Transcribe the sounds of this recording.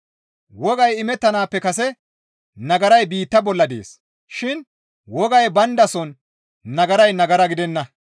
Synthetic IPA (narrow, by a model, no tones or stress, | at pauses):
wɔɡɐjɪmɛt̪ːɐnaːpːɛkɐs̬ɛ | nɐɡɐɾɐjbiːt̪ːɐbɔlːɐd̪ḛːs | ʃɪn | wɔɡɐjbɐnd̪ɐsɔnː | ɐɡɐɾɐjnɐɡɐɾɐɡɪd̪ɛnːɐ